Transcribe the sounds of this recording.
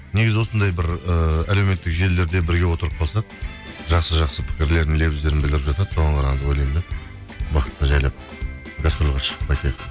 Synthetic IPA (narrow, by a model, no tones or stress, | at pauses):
neɡʲɪzɪwo̞sənd̪ɑjbɪɾəæle̞wme̞t̪ːɪkʒe̞le̞ɾd̪e̞bɪɾɡʲe̞wo̞t̪əɾəp̚qʰolˠsɑq̚ʒɑqsəʒɑqsəpʰɪ̥kʲɪɾle̞ɾd̪ɪle̞bɪzd̪e̞ɾɪnbɪld̪ɪɾɪpʒɑt̪ɑd̪əso̞ʁɑɴqʰɑɾɑd̪əwolˠend̪ɪ | bɑqə̥t̪ːəʒɑjlˠɑp̚ɡaspɾolˠʁɑʃə̥ʁəpɑjk̪ʲet̪ɪ